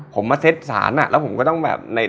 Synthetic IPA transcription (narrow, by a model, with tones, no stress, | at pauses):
pʰo˩˦mːaː˧se˦˥t̪̚sa̰ː˩˦nʔa̰˨˩ʔlɛː˦˥wpʰo˩˦mkɔ˥˩t̪ɔ˥˩ŋbɛ̰ː˨˩p̚na˧j